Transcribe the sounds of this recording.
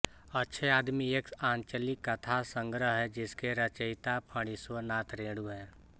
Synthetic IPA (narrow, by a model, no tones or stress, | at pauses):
ətːʃʰeaːd̪miekaːɲt͡ʃəlɪkːɐt̪ʰasə̃ŋɡɾəɦɦɛd͡ʒɪskeɾət͡ʃəɪt̪apʰəɽ̃iswənaːt̪ʰɾẽːɽuɦɛ̃ː